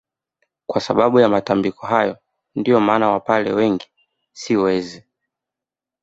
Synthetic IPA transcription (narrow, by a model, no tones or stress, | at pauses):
kwasaɓaɓujamatambikɔɦajɔ | ndiɔmaːnawapalɛ̰wɛŋɡi | siwɛzi